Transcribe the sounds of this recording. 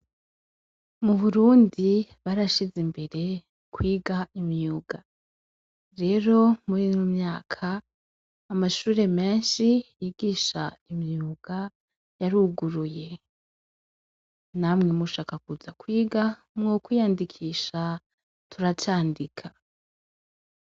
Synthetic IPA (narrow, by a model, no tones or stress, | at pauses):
muβuɾuːndiβaɾaʃizimbe̞ɾe̞ | kwiːɡaʔimjuːɡ̥a | ɾe̞ɾo̞muɾiːnomɲaːkʰaː | maʃuːɾe̞me̞ːnʃijiɡiːʃa̰imjuɡ̥a | jaɾuɡuɾuje̞ | naːmŋe̞muʃaːkakuzakwiːɡa | mŋokwijandikʰiːʃa | tuɾat͡ʃaːndikʰa